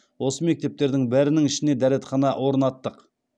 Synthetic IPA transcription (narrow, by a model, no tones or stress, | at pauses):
wo̞səme̞k̚t̪e̞p̚t̪e̞ɾd̪ɪŋbæɾɪnɪŋɪʃɪne̞d̪æɾet̪χɑnɑwo̞ɾənɑt̪ːəq